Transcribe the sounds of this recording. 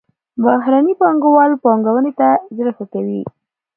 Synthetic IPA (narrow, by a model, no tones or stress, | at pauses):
baɦɾanipɑŋɡawɑlpɑŋɡawənet̪azɾəxakawi